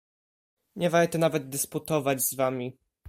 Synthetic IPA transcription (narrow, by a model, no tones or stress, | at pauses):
ɲɛvaɾt̪ɛnavɛd̪̚d̪ɘsput̪ɔvad͡ʑzvamʲi